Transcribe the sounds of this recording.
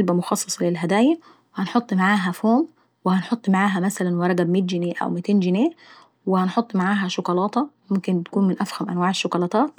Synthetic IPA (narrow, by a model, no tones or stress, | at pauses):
lbæmʊxɑsˤːɑsˤɑlɪlɦæd̪æːjæ | whænħot̪ˤːmaʕaːɦæfoːm | wɪhænħot̪ˤːmaʕaːɦæmæsælænwɑɾˤɑɡæbmeːt̪̬̚ɡɪneːʔæ̰wmɪt̪eːnɡɪneː | wɪhænħot̪ˤːmaʕaːɦæʃʊkɑlɑːt̪ˤɑmʊmkɪnækuːnmɪnʔæfhæmʔæ̰nwaːʕeʃːʊkɑlɑːt̪ˤɑːt̪̚